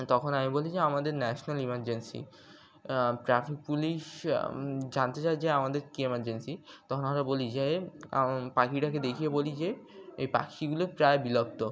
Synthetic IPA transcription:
t̪ɔkʰonamibolid͡ʑeamad̪eɾnɛʃonalimaɾd͡ʑensḭ | ʈɾafik̚puliʃ | d͡ʑant̪et͡ɕaed͡ʑeeamad̪eɾkiemaɾd͡ʑensit̪ɔkʰonamɾabolid͡ʑe | pakiʈaked̪ekʰijebolid͡ʑe | ejpa̰kiɡulopɾaebilob̚t̪o

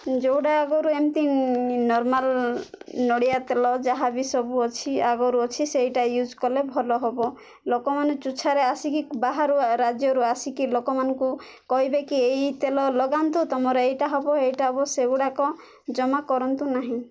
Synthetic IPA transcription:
d͡ʒowɽaːɡɔɾuemt̪inɔɾmal | nɔɽijat̪elɔd͡ʒaɦabisɔbuɔt͡ʃʰiaɡɔɾuɔt͡ʃʰisejʈajud͡ʒkɔlebʱɔlɔɦɔbɔ | lokɔmanɔt͡ʃut͡ʃʰaɾeasikibaɦaɾuɾad͡ʒjɔɾuasikilokɔmanɔku | kɔɦibekiejt̪elɔlɔɡant̪ut̪ɔmɔɾeejʈaɦɔbɔejʈaɦɔbɔseuɽakɔ | d͡ʒɔmakɔɾɔnt̪unaɦĩ

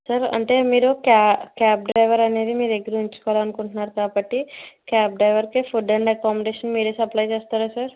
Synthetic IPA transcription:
sɐɾɐ̰ɳʈemiːɾokakaːp̚ɖɾɐjʋɐɾɐneːd̪imiːɾeɡɾiuɲt͡ʃu̥koʋlaɐnukuɳʈnaːɾkaːbɐʈːikaːp̚ɖɾɐjʋɐɾkepʰuɖɐɳɖɐkaːmeɖeːʃɐnmiːɾeːsɐplaːjt͡ʃeːst̪aːɾɐsɐɾ

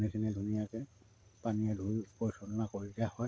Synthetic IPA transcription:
nisʰinɛdʱunijakɛ | paniɛdʱujpɔɹisɔnɔnakoɹitɛhɔj

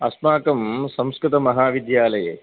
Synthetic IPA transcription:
ɐsmaːkɐmsɐmskɾɪt̪ɐmɐɦaːʋid̪jaːlɐjḛ

